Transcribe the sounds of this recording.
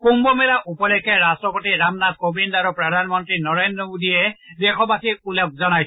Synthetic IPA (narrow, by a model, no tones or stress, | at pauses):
kumbɔmɛlaʔupɔlɛkʰɛɾastɔpɔtiɾamnat̪̚kobindaɾupɹɔd̪ʱanmɔntɹinɔɹendɹɔmod̪iɛdexʰɔbakiulɛk̚zɔnaj